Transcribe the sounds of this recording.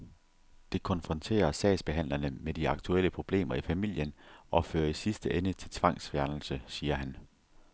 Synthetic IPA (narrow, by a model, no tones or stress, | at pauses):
d̥e̝kʰɒ̽nfʁɒ̽nt͡sʰe̝̰ːɐsɛ̰ɪsb̥e̝ɦæn̰lɐnəmed̥iɑ̈ɡ̥t͡sʰuel̰əpʰʁo̝b̥le̝̰ːmɐifæmil̰jənʔɒ̽føːɐisisd̥əʔenət͡sʰe̝lt͡sʰʋɑ̈ŋ̰sʋjæɐnl̩səsiːɐɦæn